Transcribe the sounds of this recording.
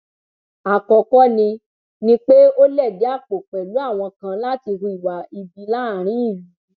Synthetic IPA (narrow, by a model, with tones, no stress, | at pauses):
a˨kɔ˨kɔ˦nĩ˧ | nĩ˧˦k͡pe˦o˦lɛ˦˨de˨˦a˦˨k͡po˨k͡pɛ˨lu˨˦a˦˨w̃ɔ̃˧kã˧la˦ti˧ɦu˧i˨wa˨i˧bi˧la˦˨ɾ̃ĩ˦i˦˨lu˦˨˦